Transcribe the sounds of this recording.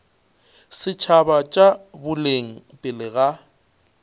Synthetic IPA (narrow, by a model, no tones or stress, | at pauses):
sɪt͡ʃʰabat͡ʃʼabʊleŋ̩ | pʼɪlɪɣa